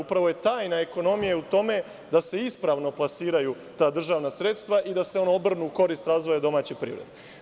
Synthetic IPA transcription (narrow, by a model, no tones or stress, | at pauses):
upɾaʋo̞je̞t̪aːjnaeko̞no̞mijeut̪o̞me̞ | d̪ase̞ispɾaʋno̞plˠasiːɾaju | t̪aːd̪r̩ʒaːʋnasɾet̪st̪ʋaʔid̪ase̞o̞noobr̩nuko̞ɾiːst̪ɾaːzʋo̞jad̪o̞maːt͡ɕepɾḭʋɾed̪e